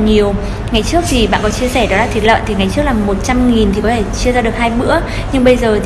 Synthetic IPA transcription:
ɲi˨˩əw | ŋa˨˩jt͡ɕɨ˦˥ək̚t̪ʰi˨˩ɓa̰ː˧˨nkɔ˨˦t͡ɕi˧əsɛ˧˩ɗɔ˨˦laː˧˩t̪ʰi˨˩t̚lə̰ː˧˨nt̪ʰi˨˩ŋa˨˩jt͡ɕɨ˦˥ək̚laː˨˩mo˨˩t̚t͡ɕa˧mŋi˨˩nt̪ʰi˨˩kɔ˨˦t̪ʰe˧˩t͡ɕi˧əzaː˧ɗɨ˨˩ək̚haː˧jɓɨ̰˧˥ə | ɲɨ˧ŋɓə˧jzəː˨˩t

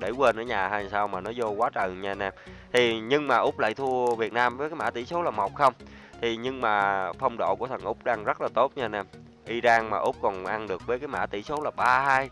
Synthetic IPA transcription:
ɗe˧˩kwe˧nʔəː˧˩ɲaː˨˩ɦaː˧jsaː˧wmaː˨˩nɔ˨˦zo˧kwaː˨˦t͡ɕə˨˩ɲaː˧˩nɛ˨˩m | t̪ʰi˨˩ɲɨ˧ŋmaː˨˩ʔʊ˦˥k͡p̚la̰ː˧˨jt̪ʰu˧əvi˨˩ət̚naː˧mvəː˨˦kaː˨˦maː˧˥t̪i˧˩so˨˦laː˨˩mo˨˩wk͡p̚xə˧wŋ͡m | t̪ʰi˨˩ɲɨ˧ŋmaː˨˩fə˧wŋ͡mɗo̰˧˨ku˧˩ət̪ʰə˨˩nʔʊ˦˥k͡p̚ɗaː˧ŋzə˦˥t̚laː˨˩t̪o˦˥t̚ɲaː˧nɛ˨˩m | ʔi˧zaː˧ŋmaː˨˩ʔʊ˦˥k͡p̚kɔ˨˩nʔa˧nɗɨ˨˩ək̚vəː˨˦jkaː˨˦jma̰ː˧˥˩t̪ḭ˧˩so˨˦laː˨˩ɓaː˧˩haː˧j

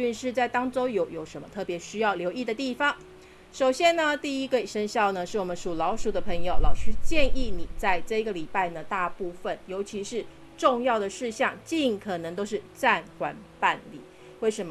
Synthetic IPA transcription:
y˥˧nʂɻ̩˥˧t͡sa˥˩ɪt̪ɑ˥ŋʈ͡ʂo˥ʊjo˨˥ʊjo˨˩ʊʂə˧˦nmə˧t̪ʰɤ˥˩pjɛ˧˥ɕy˥jɑ˥˩ʊljo˧˥ʊi˥˩d̪ə˩t̪i˥˩fɑ˧˦ŋ | ʂo˨˩ʊɕjɛ˥nnə˧t̪i˥˩i˦˥ɡə˨˩ʂə˥nɕjɑ˥˩ʊnə˩ʂɻ̩˥˩wɔ˨˩mə˦nʂu˨˩lɑ˧˥ʊʂu˧˥d̪ə˧pʰɤ˧˥ŋjo˨˧˦ʊlɑ˨˩ʊt͡ɕʰy˥˧t͡ɕjɛ˥˧ni˥˩ni˨˩t͡sa˥˧ɪʈ͡ʂɤ˥˩i˧˥ɡə˨li˨˩pa˥˩ɪnə˩t̪a˥˧pu˥˩fə˨˩njo˧˥ʊt͡ɕʰi˧˥ʂɻ̩˥˧ | ʈ͡ʂʊ˥˧ŋjɑ˥˩ʊd̪ə˩ʂɻ̩˥˧ɕjɑ˥˩ŋt͡ɕi˥˩nkʰɤ˨˩nɤ˧˦ŋt̪o˥ʊʂ̬ɻ̩˥˧ʈ͡ʂa˥˩nxwa˧˥npa˥˧nlḭ˨˩˦ | we˥˩ɪʂə˧˥nmə˧

